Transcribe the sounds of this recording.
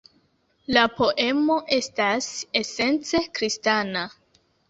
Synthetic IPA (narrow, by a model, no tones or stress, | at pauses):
lapo̞ʔe̞mo̞ʔe̞stase̞se̞nt͡se̞kɾistana